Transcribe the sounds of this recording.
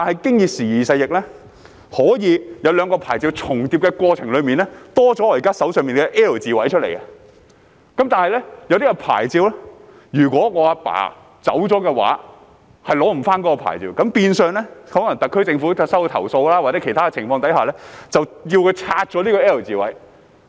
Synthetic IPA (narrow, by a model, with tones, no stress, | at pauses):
t̪aː˨nhɐ˨jkɪ˥ŋjiː˨p̚siː˨˩jiː˨˩sɐ˧jɪ˨k̚lɛ˥ | hɔː˨˥jiː˨˧jɐ˨˧wlœː˨˧ŋkɔː˧pʰa̰ː˨˩jt͡si˧wt͡sʰʊ˨˩ŋt̪iː˧p̚kɛ˧kwɔː˧t͡sʰɪ˨˩ŋlɵ˨˧ɥmiː˨nlɛː˥t̪ɔː˥t͡sɔ˨˥ɔː˧˩jkaː˥sɐ˨˥wsœː˨ŋmiː˨nkɛ˧ʔɛː˥ə˨˩t͡siː˨wɐ˨˥jt͡ʃʰɵ˥t̚lḛ˨˩jkɛ˧ | kɐ˨˦mt̪aː˨nhɐ˨jlɛ˥jɐ˧wt̪i˥kɔ˧pʰa̰ː˨˩jt͡siː˧wlɛ˥ | jyː˨˩kʷɔː˨˥ŋɔː˨˧aː˧pa̰ː˨˥˩ | t͡sɐ˨˥wt͡sɔː˨˥kɛ˧wa̰ː˨˥ | hɐ˨jlɔː˨˥m̩˨˩faː˥nkɔ˨˥kɔ˧pʰa̰ː˨˩jt͡sḭː˧wkɐ˨˥mpiː˧nsœː˨˧ŋlɛ˥hɔː˨˥ŋlɐ˨˩ŋt̪ɐ˨kʰːɵ˥ɥt͡sɪ˧ŋfu˨˥sɐ˥wt̪ʰɐ̰˨˩wso˧wlaː˥waː˨k̚t͡sɛ˨˧˥kʰe˨˩jt̪ʰaː˥kɛ˧t͡sʰɪ˨˩ŋfɔː˧ŋt̪ɐ˨˥jhaː˨˩lɛ˥t͡sɐ˨wji˧wkʰɵ˧t͡sʰaː˧t̚t͡sɔː˨˥liː˥kɔː˧ɛː˥ə˨˩wt͡siː˨wɐ˨˥j